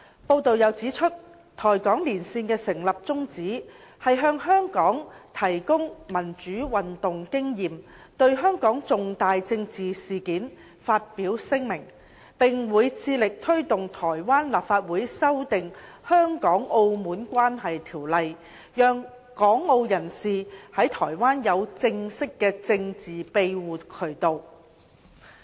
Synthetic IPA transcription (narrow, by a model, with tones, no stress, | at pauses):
po˧wt̪o˨wjɐ˨˧wt͡siː˨˥t͡ʃʰɵ˥t̚ | t̪ʰɔː˨˩jkɔː˨˥ŋliː˨˩nsiː˧nkɛː˧sɪ˨˩ŋlɐ˨p̚t͡sʊ˥ŋt͡siː˨˥hɐ˨jɦœː˧ŋɦœː˥ŋkɔː˨˥ŋt̪ʰɐ˨˩jkʊ˥ŋmɐ˨˩nt͡ʃyː˨˥wɐ˨nt̪ʊ˨ŋkɪ˥ŋjiː˨m | t̪ɵ˧ɥɦœː˥ŋkɔː˨˥ŋt͡sʊ˨ŋt̪aː˨jt͡sɪ˧ŋt͡siː˨siː˨˩kiː˨˥n | faː˧t̚piː˨˥wsɪ˥ŋmɪ˨˩ŋ | pɪ˨˩ŋwuː˨˧jt͡sʰiː˧lɪ˨k̚t̪ʰɵ˥ɥt̪ʊ˨ŋt̪ʰɔː˨˩jwaː˥nlaː˨pfaː˧t̚wuː˨˥jsɐ˥wt̪ɪ˨ŋ | hœː˥ŋkɔː˨˥ŋo˧wmuː˨˥nkʷaː˥nɦɐ˨jt̪ʰiː˨˩wlɐ˨j | jœː˨ŋ | kɔː˨˥ŋo˧wjɐ˨˩nsiː˨hɐ˨˥jt̪ʰɔː˨˩jwaː˥njɐ˨˧wt͡sɪ˧ŋsɪ˥kːɛː˧t͡sɪ˧ŋt͡siː˨pe˧jwuː˨kʰɵ˨˩ɥt̪o˨˧w